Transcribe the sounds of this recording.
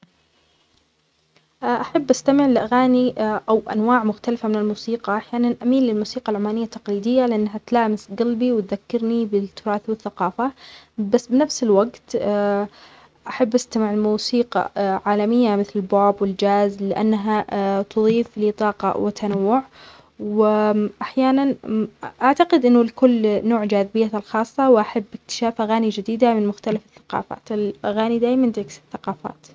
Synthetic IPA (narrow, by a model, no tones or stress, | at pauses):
ʔʔaħabːʔast̪amɪʕɪlʔaɣaːniʔawʔa̰nwaːʕmʊxt̪alfamɪnɪlmuːsiːqɑʔaħjaːnanʔamiːnlɪlmuːsiːqɑlʕʊmaːnɪjːat̪ːḁqliːd̪ɪjːalɪʔanːɦat̪laːmɪsɡalbiwɪt̪̚ðakːɑɾnibɪt̪ːʊɾˤɑːθwɪθːaqɑːfabasːbɪnafsɪlwaɡt̪ː | ʔaħabːʔast̪amɪʕɪlmuːsiːqɑ̰ʕaːlamɪjːamɪθlɪlbaːbwɪld͡ʒaːzlɪʔa̰nːaɦat̪ʊðˤiːflɪt̪ˤɑːqɑ̰wɪt̪ʰːanawːʊʕ | wɪʔaħjaːnanʔaʕt̪aqɪd̪ʔɪnːʊlkʊlːnoːʕd͡ʒaːðɪbɪjːalxɑːsˤːɑwʔaħabːɪk̚t̪ɪ̥ʃaːfʔaɣaːnid͡ʒɪd̪iːd̪amɪnmʊxt̪alafɪθːḁqɑ̰ːfa̰ːt̪ɪlʔaɣaːnid̪aːjmand̪ɪksɪ̥θːaqɑːfa̰ːt̪